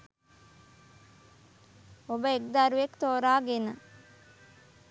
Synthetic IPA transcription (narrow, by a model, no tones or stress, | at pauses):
obəekd̪aɾuʋekt̪oːɾaːɡenə